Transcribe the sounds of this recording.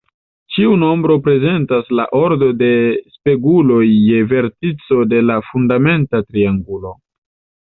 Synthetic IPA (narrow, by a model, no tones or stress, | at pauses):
t͡ʃiuno̞mbɾo̞pɾe̞ze̞ntasla̰ʔo̞ɾdo̞de̞spe̞ɡulo̞jːe̞ve̞ɾtit͡so̞de̞lafundame̞ntatɾiaŋɡulo̞